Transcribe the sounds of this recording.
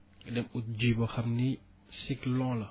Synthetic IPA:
dɛmut̪̚d͡ʒibɔxɐmni | siklɔ̃lɐ

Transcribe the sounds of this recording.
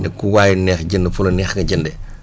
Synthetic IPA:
nɛkːuwaːjunɛːxɟəndəfulɐnɛːxŋɐɟəndɛ

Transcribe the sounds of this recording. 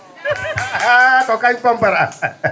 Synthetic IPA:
at̪ɔkaifambaɾa

